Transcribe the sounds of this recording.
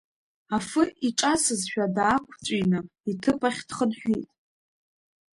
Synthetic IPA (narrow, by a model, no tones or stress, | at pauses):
afɨiʈ͡ʂʼasɨzʃᶣadaːkʷʰt͡sʷʼijnɨitʰɨpʰʼaχʲd̥χənħʷᶣijtʼ